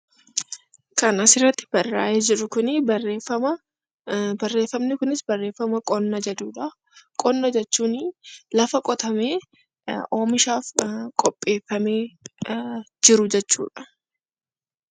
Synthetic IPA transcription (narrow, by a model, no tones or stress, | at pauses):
kɐnɐsɪrːɐt̪ːɪ̥b̥ɐrːaːʔeːd͡ʒɪɾʊkʊnɪɐreːfɐmɐ | bɐrːe̞ːfːɐmnɪkʊnɪsbɐrːe̞ːfːɐmɐkʼɔnːɐd͡ʒɐd̪uːᶑɐ | kʼɔnːɐd͡ʒɛt͡ʃːuːnɪlɐfɐkʼɔt̪ɐme̞ː | ʔoːmɪʃaːfkʼɔpʼːe̞ːfːɐme̞ː | d͡ʒɪɾʊd͡ʒɛt͡ʃːṵːᶑɐ̥